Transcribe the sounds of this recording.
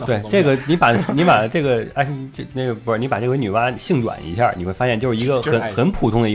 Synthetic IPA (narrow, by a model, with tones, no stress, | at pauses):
we˥˩ɪʈ͡ʂɤ˥˩ɡə˩ni˧˥pa˨˩ni˧˥pa˨˩ʈ͡ʂɤ˥˩ɡə˩a˥ɪ˥˩ne˥˩ɡə˩pni˧˥pa˨˩ɤ˥˩˧ny˨˩wa˥ɕi˥˧ŋt̪wa̰˨˩˦nḭ˧˥ɕʰja̰˥˩ni˨˩xwe˥˩˧a˥jɛ˥˧nt͡ɕjʂ̩˥˧i˧˥ɡə˧xə˧˥nxə˧˥npʰu˨˩t̪ʰʊ˥ŋd̪ə˨i˧